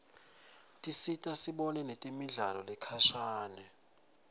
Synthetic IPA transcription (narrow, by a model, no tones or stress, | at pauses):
tʼisitʼasiɓɔnɛnetʼimiɮalɔ̰lɛkʰaʃaːnɛ